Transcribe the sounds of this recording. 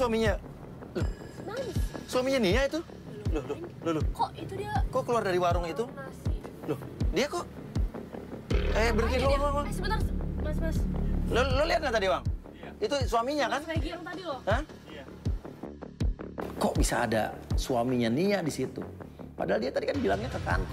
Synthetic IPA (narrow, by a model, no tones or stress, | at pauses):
suwamiɲa | lʊh | suamiɲaniait̪u | lʊhlʊlʊlʊhkit̪koʔkəluardaɾiwaɾʊŋit̪u | lʊhdiakɔʔ | kajaʔbərkilowaŋwaŋwasbənmasaslololiat̪̚ŋat̪adiwaŋ | it̪usuamiɲakanɡŋt̪adilhə | kɔʔbisa̰ːda̰suwamiɲaniaʔdisit̪ṵpadaɦaldiat̪adikanbilaŋɲak̪əka̰n